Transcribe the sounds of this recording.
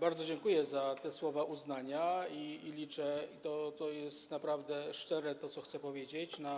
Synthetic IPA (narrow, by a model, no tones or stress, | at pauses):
baɾd̪zɔd͡ʑɛŋkujɛzat̪ɛswɔvaʔuznaɲaiːlʲit͡ʂɛit̪ɔt̪ɔjɛst̪napɾavd̪ɛʂt͡ʂɛɾɛt̪ɔt̪sɔxt̪sɛpɔvʲjed͡ʑet͡ɕna